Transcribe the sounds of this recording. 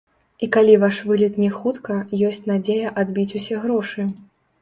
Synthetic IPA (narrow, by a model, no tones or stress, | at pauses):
ikalʲivaʂvɨlʲit̪nʲɛxut̪kɐjɔsʲt͡sʲnad͡zʲejɐʔad̪bʲit͡sʲusʲɛɣɾɔʂɨ